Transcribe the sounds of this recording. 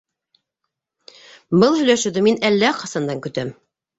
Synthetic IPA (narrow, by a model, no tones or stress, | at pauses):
bɤlˠhɵ̆jlæʃɘ̆wðɘminælːæqɑsɑnd̪ɑŋkɵ̆t̪æm